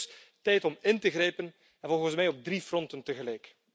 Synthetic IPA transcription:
tɛjtɔmɪntəɣrɛjpən | ɛnvɔlˠɣəns̬mɛjɔb̚drifrɔntəntəɣəlɛjk

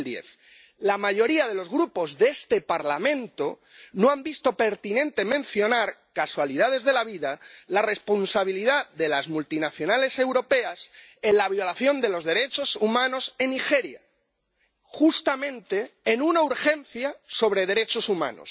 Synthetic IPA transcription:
ld̪je̞̰θ | lamaʝo̞ɾiað̞e̞lo̞zɣɾupo̞zðest̪e̞paɾlamẽ̞nt̪o̞ | no̞ambist̪o̞pe̞ɾt̪inẽ̞nt̪e̞mẽnθjo̞naɾkaswalið̞að̞e̞zð̞e̞laβiðalare̞spo̞nsaβ̞iliðaðe̞lazmult̪inaθjo̞nalese̞wɾo̞pe̞ase̞nlaβ̞jo̞laθjo̞nd̪e̞lo̞zðe̞ɾe̞t͡ʃo̞sumãno̞se̞nixe̞ɾja̰ | xust̪amẽnt̪e̞ːnunauɾxẽ̞nθjaso̞β̞ɾeð̞e̞ɾe̞t͡ʃo̞sumã̰no̰s

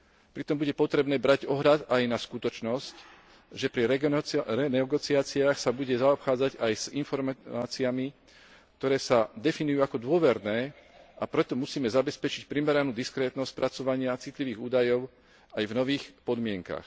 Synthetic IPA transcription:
pɾit̪ɔmbuɟɛpɔt̪ɾɛbnɛːbɾaɟɔɦʎad̪ajnaskut̪ɔt͡ʃnɔsc | ʒɛpɾi | ɛnɛɡɔt͡siaːt͡siaːxsabuɟɛzaɔpxaːd͡zaɟajz̥infɔɾmmaːt͡siami | k̚t̪ɔɾɛːsad̪ɛfinujuːakɔd̪ʊɔʋɛɾnɛːapɾɛt̪ɔmusiːmɛzabɛspɛt͡ʃicpɾimɛɾanuːd̪iskɾɛːt̪nɔsc̚pɾʔat͡sɔʋaɲɪat͡sit̪liʋiːɣuːd̪ajɔʊ | ajvnɔʋiːxpɔd̪mɪɛŋka̰x

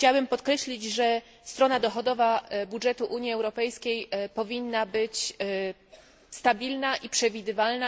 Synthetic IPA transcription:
xt͡ɕawabɘmpɔt̪kɾɛɕlʲid͡ʑʐɛ | st̪ɾɔnad̪ɔxɔd̪ɔvabudʐɛt̪uʔuɲjiɛwɾɔpɛjskʲejpɔvʲinːabɘt͡ɕ | st̪abʲilnaʔipʂɛvʲid̪ɘvalna

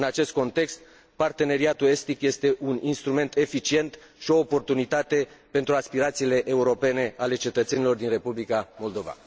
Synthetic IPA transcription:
ɨnat͡ʃe̞st̪̚ko̞nt̪e̞kst̪̚ | part̪e̞ne̞ɾiat̪ue̞st̪ikje̞st̪e̞ʔuninst̪ɾume̞nt̪e̞fit͡ʃie̞nt̪ | ʃio̞ːpo̞rt̪unit̪at̪e̞pe̞nt̪ɾuaspiɾat̪siːle̞ʔeuɾo̞pe̞ne̞ale̞t͡ʃe̞t̪ət̪se̞nilo̞rd̪inre̞publikamo̞ld̪o̞va̰

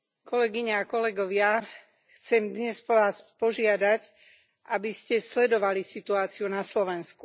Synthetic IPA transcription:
kɔlɛɡiɲɛakɔlɛɡɔʋɪa | xt͡sɛmd̪ɲɛspʋaːspɔʒɪad̪ac | ʔabiscɛslɛd̪ɔʋalisit̪uaːt͡siunaslɔʋɛnsku

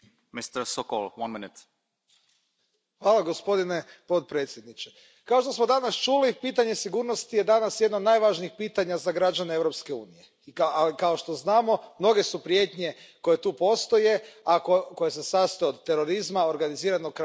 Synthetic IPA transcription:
mist̪əɾsoko̰lˠʋanminɪt̪ | xʋaːlˠaɡo̞spo̞d̪ine̞po̞t̪̚pɾe̞ːt̪sjed̪nit͡ʃe | kao̞ʃt̪o̞smo̞d̪anast͡ʃulipiːt̪aɲe̞siɡuːɾnost̪ijed̪anasjed̪nod̪najʋaʒniixpiːt̪aɲazaɡɾad͡ʒaneeʋɾo̞pskeṵːnije̞ | ikaalikao̞ʃt̪o̞znaːmo̞mno̞ɡe̞supɾje̞ːt̪ɲe̞ko̞je̞t̪uːpo̞st̪o̞je̞akoko̞jese̞sast̪ojeod̪t̪e̞ɾo̞ɾizmao̞ɾɡaniziːɾanok

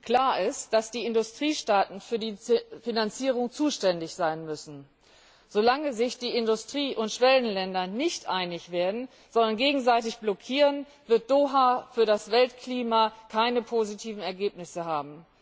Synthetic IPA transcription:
kl̥aːɐɪstd̥asd̥iːɪndʊstʁ̥iːʃtaːtn̩fyːɐdiːfinant͡siːʁ̞ʊŋt͡suːʃtɛndɪçz̥aɪnmʏsn̩ | z̥olaŋəzɪçd̥iːɪndʊstʁ̥iːʔʊntʃv̥ɛlənlɛndɐnɪçtʔaɪnɪçv̥eːɐdn̩ | z̥ɔndɐnɡeːɡŋ̩zaɪtɪçb̥lɔkʰiːʁən | vɪɐt̚d̥oːɦaːfyːɐdasv̥ɛltkʰliːmakʰaɪnəpʰozitʰiːvn̩ɛɐɡeːpnɪsəɦaːbm̩

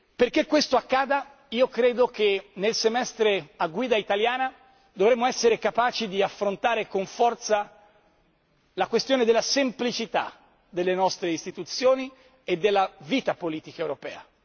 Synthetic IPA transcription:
perkekːwest̪oakːaːd̪a | iːokɾeːd̪ok̟enelsemɛst̪ɾeaɡːwiːd̪ait̪aljaːna | d̪ovɾemːoɛsːeɾekapaːt͡ʃid̪iafːɾont̪aːɾekoɱfɔrt̪sa | lakwest̪joːned̪elːasemplit͡ʃit̪a̰ | d̪elːenɔst̪ɾeist̪it̪ut̪sːjoːni | ed̪ːelːaviːt̪apoliːt̪ikaewɾopɛːa̰

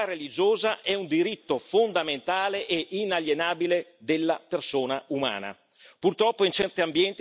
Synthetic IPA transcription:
arelid͡ʒoːzaʔɛund̪iɾit̪ːofond̪ament̪aːleʔeʔinaljenaːbiled̪elːapersoːnauma̰ːna̰ | purt̪ɾɔpːoint͡ʃɛrt̪iambjɛnt̪

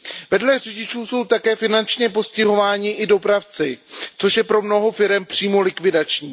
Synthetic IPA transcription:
vɛdlɛr̝ɛɟɪt͡ʃuːso̞wt̪akɛːfɪnant͡ʃɲɛpo̞scɪɦo̞vaːɲɪʔɪdo̞pɾaft͡sɪt͡so̞ʃjɛpɾo̞mno̞ɦo̞fɪɾɛmpr̝̥iːmo̞lɪkvɪdat͡ʃɲiː

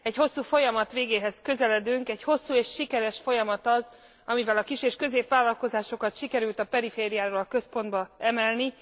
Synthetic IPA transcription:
ɛɟho̞sːuːfo̞jɒmɒt̪ʋeːɡeːɦɛzkø̞zɛlɛd̪yŋkɛɟho̞sːuːeːʃːikɛɾɛʃfo̞jɒmɒt̪ɒz | ɒmivɛlɒkiʃeːʃkø̞zeːpʋaːlɒlko̞zaːʃo̞kɒt̪ʃikɛɾylt̪ɒpɛɾifeːɾijaːvɒlkø̞spo̞nd̪bɒɛmɛlni

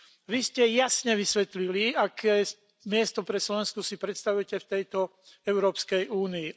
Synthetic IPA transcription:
ʋiscɛjasɲɛʋisʋɛt̪liliakʰɛː | mɪɛst̪ɔpɾɛslɔʋɛnskusipɾɛt̪st̪aʋujɛcɛft̪ɛjt̪ɔ | ɛʊɾɔːpskɛjʔuːniː

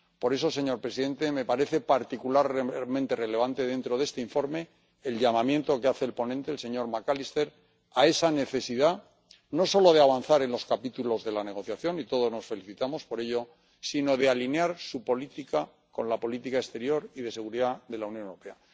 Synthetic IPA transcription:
po̞ɾe̞so̞se̞ɲo̞ɾpɾesiðe̞nt̪e̞me̞paɾe̞θe̞paɾt̪ikulaɾmẽnt̪e̞re̞le̞β̞ant̪e̞ð̞e̞nt̪ɾo̞ðe̞st̪eiɱfo̞ɾme̞ː | lʎamamje̞nt̪o̞keaθe̞ːlpo̞nẽnt̪e̞ːlse̞ɲo̞ɾmakalist̪e̞ɾ | ae̞sane̞θe̞siða | no̞so̞lo̞ð̞eaβ̞anθaɾe̞nlo̞skapit̪ulo̞zðe̞lane̞ɣ̞o̞θjaθjo̞nit̪o̞ð̞o̞zno̞sfe̞liθit̪amo̞spo̞ɾe̞ʎo̞ | sino̞ðe̞alinjaɾsupo̞lit̪ika | ko̞nlapo̞lit̪ikaest̪e̞ɾjo̞ɾiðe̞se̞ɣ̞uɾiðaðe̞launjonewɾo̞pe̞a

